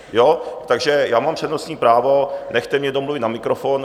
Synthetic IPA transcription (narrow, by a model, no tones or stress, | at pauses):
jot̪aɡʒɛjaːmampr̝̥ɛdnosɲiːpɾaːvonɛxt̪ɛmɲɛdomluvɪt̪namɪkɾofon